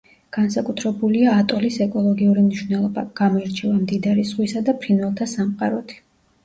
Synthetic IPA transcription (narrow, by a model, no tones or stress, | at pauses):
ɡ̥ansakʼut̪ʰɾɛbuliaːt̪ʼɔlisɛkʼɔlˠɔɡiuɾimniʃwvnɛlˠɔba̰ɡ̥amɔiɾt͡ʃʰɛvamd̪id̪aɾisʁwisad̪apʰɾinvɛlˠt̪ʰasamqʼaɾɔt̪ʰi̥